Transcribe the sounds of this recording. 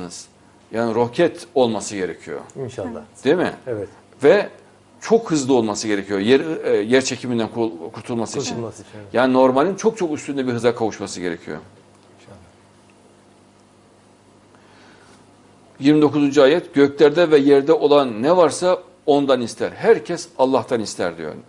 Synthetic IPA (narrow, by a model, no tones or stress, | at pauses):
nɯz̥ | jaːniɾo̞cʰɛt̪o̞lˠmasɯɟe̞ɾḛcʰijo̞̰d̪̥emɪ̰ | vɛ | t͡ʃʰo̞khɯzlˠɯo̞lˠmasɯɡɟe̞ɾecʰijojɛɾjæɾt͡ʃʰe̞cʰimind̪ænkʰuɾt̪ʰulˠmasɯiit͡ʃʰinjaːnino̞ɾmalʲint͡ʃʰo̞k̚t͡ʃʰo̞kyst̪ʰynd̪ɛbiɾɦɯzakʰavuʃmasɯɟe̞ɾḛcʰijo̰ | jiɾmid̪o̞kuzund͡ʒuaːjɛt̪ɟ̥øclʲæɾd̪ɛvɛjɛɾd̪ɛʔo̞lˠanːɛvaɾsa | o̞nd̪anist̪ʰæɾɦæɾcʰɛsalˠːaht̪ʰanist̪ʰæ̰ɾd̪ḭjo̰ɾ